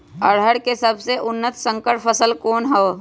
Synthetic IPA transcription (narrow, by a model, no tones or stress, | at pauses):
əɽ̤əɽkesəbʱseʔʊnːət̪sə̃ŋkəʈpʰəsəlkoːnɦɛː